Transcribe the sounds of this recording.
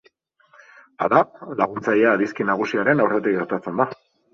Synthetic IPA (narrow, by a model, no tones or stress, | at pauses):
a̰ðalaɣ̞unt͡sajeaːðiskinaɣ̞usiaɾe̞nawret̪ikɡe̞ɾt̪at͡se̞nd̪a